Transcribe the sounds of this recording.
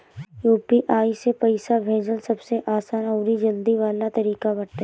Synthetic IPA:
juːpiʔaːisepɐɪsabʱeːd͡ʒəlsɐbseʔaːsaːnɔːɾid͡ʒɐld̪iʋaːlat̪ɐɾiːkabɐɽt̪ː

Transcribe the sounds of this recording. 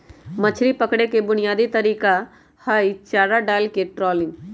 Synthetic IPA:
mɐt͡ʃʰɾipəkɽekebʊnijaːd̪it̪ɐɾiːka | haːit͡ʃaːɾaɖaːjlkeʈɾɔːlɪ̃ŋɡ

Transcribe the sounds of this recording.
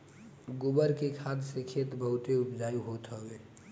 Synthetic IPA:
ɡʊbəɾkekʰaːd̪sekʰeːt̪bəɦʊt̪eʊpd͡ʒaːjuɦoːt̪ɦoeː

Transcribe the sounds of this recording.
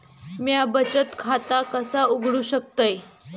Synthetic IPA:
mjabət͡ɕət̪kʰat̪akəsauɡʱɽuːɕək̚t̪əj

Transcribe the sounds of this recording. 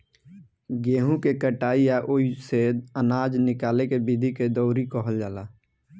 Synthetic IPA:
ɡeːɦũkekəʈaːijaʔoiseənaːd͡ʒnɪkaːlekebɪd̪ʱiked̪ɔːɾikɔɦəld͡ʒaːlaː

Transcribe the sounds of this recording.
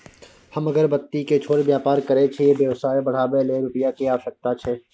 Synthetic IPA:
hɐmɐɡəɾbɐt̪ːiket͡ʃʰoːɾebjaːpaːɾkɐɾet͡ʃʰejebjeːʋsaːebɐɽ̤aːbeleːbɪpijakeaːsɐk̚t̪at͡ʃʰɛː

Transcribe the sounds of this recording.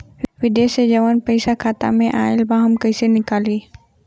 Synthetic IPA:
ʋɪd̪esed͡ʒɐʋənpəɪsakʰaːt̪a̰mẽʔaːɪlbaɦɐmkɐɪsenɪkaːliː

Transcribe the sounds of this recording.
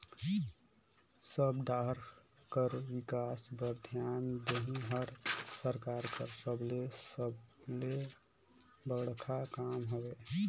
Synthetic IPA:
səbɖaɦɾ | kəɾwikasbəɾd̪ʱjand̪eɦĩɦəɾsəɾkaɾkəɾsəblesəble | bəɡɽkʰakamɦobe

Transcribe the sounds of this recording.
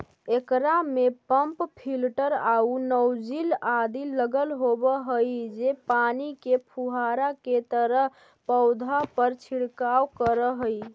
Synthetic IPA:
ekɾamepəmppʰilʈəɾaunəwd͡ʒilad̪iləɡəlɦobəɦəjd͡ʒepanikepʰuɦaɾaket̪əɾəɦ | pəʊd̪ʱapəɾt͡ʃʰiɽkawkəɾəɦəj

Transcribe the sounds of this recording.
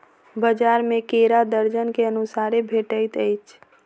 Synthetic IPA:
bəd͡ʒaːɾmẽkeːɾad̪əɾd͡ʒənkeənʊsaːɾebʱeːʈəɪt̪əɪt͡ʃʰ

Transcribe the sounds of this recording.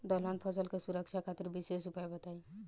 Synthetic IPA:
d̪ɔlanpʰʌsəlkesuɾəkt͡ʃʰakʰat̪iɾbisesupajbət̪aj

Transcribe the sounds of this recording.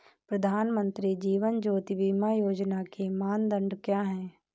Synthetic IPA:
pɾəd̪ʱaːnmə̃nt̪ɾid͡ʒiːʋənd͡ʒoːt̪iʋimajoːd͡ʒnakemaːnd̪ə̃ɳɖkjaːɦɛ̃ː

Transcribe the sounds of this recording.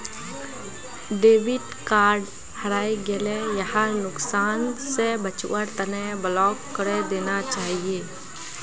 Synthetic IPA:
ɖeːʋɪʈ | kaːɾɖ | həɾaːiɡelejəɦanʊksaːnsebət͡ʃṵʔəɾt̪əneblɔːkːəɾed̪eːnat͡ʃaːɦieː

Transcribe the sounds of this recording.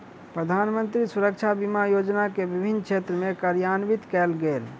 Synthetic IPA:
pɾəd̪ʱanmənt̪ɾisuɾək̚t͡ʃʰabimajod͡ʒnakebibʱint͡ʃʰet̪ɾəmẽkaɾjanʋit̪kɛlɡel

